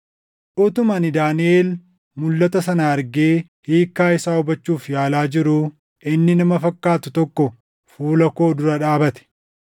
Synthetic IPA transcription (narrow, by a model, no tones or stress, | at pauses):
ᶑʊt̪ʊmɐnɪd̪aːnɪeːl | mʊlːɐt̪ɐsɐnaɐɾɡeː | hiːkːaːɪsaːʊbɐt͡ʃːuːfjaːlaːd͡ʒɪɾʊ | ʔɪnːɪnɐmɐfɐkːaːt̪ʊt̪ɔkːɔ | fuːlɐko̞ːd̪ʊɾɐᶑaːbɐt̪ɛ̥